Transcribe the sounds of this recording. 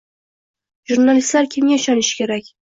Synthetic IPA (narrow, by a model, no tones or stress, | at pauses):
ʒuɾnalɪst̪laɾkʲʰɪmɡʲaɪʃɒnɪʃɪ̥kʲe̞ɾakʲ